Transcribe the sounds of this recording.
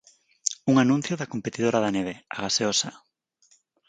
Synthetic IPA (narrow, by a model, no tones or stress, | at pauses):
uŋanũn̟θjoðakompet̪iðoɾaðaneβeaɣaseosa